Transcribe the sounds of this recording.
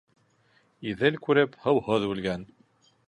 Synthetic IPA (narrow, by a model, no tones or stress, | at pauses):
iðɘlkʉɾɘphɤ̆whɤðbʉlɡæn